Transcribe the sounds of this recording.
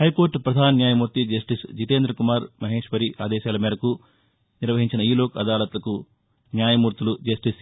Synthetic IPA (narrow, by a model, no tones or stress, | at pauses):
hɐjko̞ːɾʈpɾɐd̪ʱaːnɐnjaːjɐmuːɾt̪id͡ʒɐsʈisd͡ʒit̪eːnd̪ɾɐkumaːɾmɐɦe̞ːʂʋɐɾiʔaːd̪ɛːʃaːlɐmɛːɾɐku | niɾʋɐɦiɲt͡ʃinɐiːlo̞ːkɐd̪aːlɐt̪ulɐku | njaːjɐmuːɾt̪ulud͡ʒɐsʈis